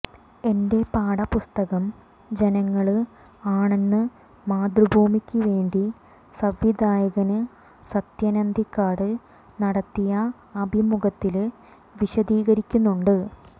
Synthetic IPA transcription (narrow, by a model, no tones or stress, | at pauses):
e̞nde̞paːɽɐpust̪ɐɣɐm | d͡ʑe̞nɐŋːɐɭɨ | aːɳe̞nːɨ | maːd̪rɨbʱuːmikʲːuʋe̞ːɳɖi | sɐʋjid̪aːjɐɣɐnɨ | sɐt̪jɐnɐnd̪ʱikːaːɽɨ | nɐɽɐt̪ːijɐ | ɐbʱimuɣɐt̪ːil | ʋiɕɐd̪iːɣɐɾikʲːunːuɳɖɨ